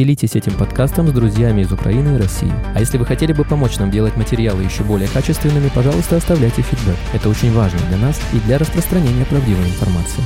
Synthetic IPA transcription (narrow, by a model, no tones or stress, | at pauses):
ɪlʲitʲɪsʲɛtʲɪmpɐt̪kast̪əmzd̪ɾʊzʲjamʲɪɪzʊkɾɐ̰inɨɪɾɐsʲːḭjɪ̰ɐjesʲlʲɪvɨxɐtʲelʲɪbɨpɐmo̞t͡ɕnamdʲe̞lˠətʲmətʲɪɾʲɪjalˠɨjɪɕːobo̞lʲɪjəkat͡ɕɪst̪vʲɪnːɨmʲɪpɐʐɑlˠʊst̪əɐst̪ɐvlʲæjtʲɪfʲɪd̪bɛkɛt̪əo̞t͡ɕɪnʲvaʐnə̰jəd̪lʲɐn̪asid̪lʲɐɾəspɾəst̪ɾɐnʲenʲɪjəpɾɐvdʲivəjɪnfɐrma̰t̪sɨɪ